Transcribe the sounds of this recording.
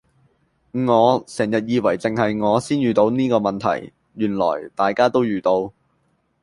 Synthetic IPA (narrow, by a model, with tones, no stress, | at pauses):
ŋɔː˨˧sɛː˨˩ŋjɐ˨t̚jiː˨˧wɐ˨˩jt͡sɪ˨ŋhɐ˨jŋɔː˨˧siː˥njyː˨t̪o˨˥wniː˥kɔː˧mɐ˨nt̪ʰɐ̰˨˩j | jyː˨˩nlɔ̰ː˨˩jt̪aː˨jkaː˥t̪o˥wjyː˨t̪o˧w